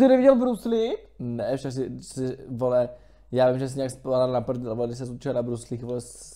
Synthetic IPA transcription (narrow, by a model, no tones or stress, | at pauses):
sɪnɛviɟɛlbɾuslɪpnɛfʃaks̬ɪsɪvolɛ | jaːvɪmʒɛs̬ɛɲɛakspoadalnapr̩d̪ɛlvolɛdɪs̬ɛsut͡ʃɪlnabɾuslixvolɛs